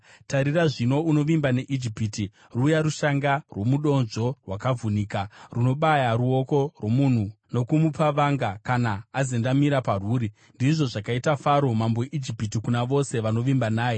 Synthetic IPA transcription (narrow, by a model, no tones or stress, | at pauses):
taɾiraʐino̞uno̞ʋimbane̞ʔid͡ʒipiːti | ruːjaɾuʃaŋɡarwo̞muɗo̞nʐo̞rwakavuniːkaruno̞ɓajaɾuo̞ko̞rwo̞mun̤uno̞kumupaʋaŋɡakanaːzendamiɾaparuːɾi | ndiʐo̞ʐakaitafaɾo̞mambojeʔid͡ʒipitikunaʋo̞se̞ʋano̞ʋimbanaːje̞